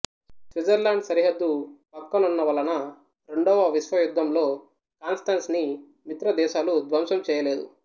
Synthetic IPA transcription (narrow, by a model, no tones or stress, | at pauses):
sʋid͡ʒɐɾlaːɳɖsɐɾiɦɐd̪ːupɐkːɐnunːɐʋɐlɐnɐ | ɾe̞ɳɖɔːʋɐʋiʃʋɐjud̪ʱːɐmlo̞ː | kaːnsʈɐːnsni | mit̪ɾɐd̪ɛːʃaːlud̪ʋɐmsɐmt͡ʃɛːjɐleːd̪ṵ